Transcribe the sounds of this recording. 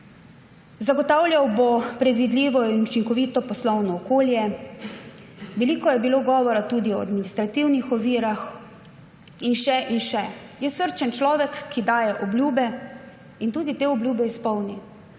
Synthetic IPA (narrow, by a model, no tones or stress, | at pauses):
zaɡɔt̪aːwljawbopɾɛd̪ʋid̪lʲiːʋɔinut͡ʃiŋkɔʋiːt̪ɔpɔslɔwnɔːkoːljɛ | ʋɛlikɔjɛbiloɡɔːʋɔɾat̪uːd̪iɔa̰d̪minist̪ɾat̪iwnixɔʋiːɾax | inʃɛʔinʃɛjɛsəɾt͡ʃɛnt͡ʃlɔːʋɛkːid̪aːjɛʔɔblʲjuːbɛ | int̪uːd̪it̪eːɔblʲjuːbɛispɔwni